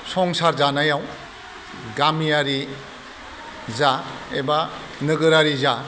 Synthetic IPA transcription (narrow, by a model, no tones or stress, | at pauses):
sɔŋsaɾzanajaw | ɡamijaɾi | zaeba | nɯɡɯɾaɾiza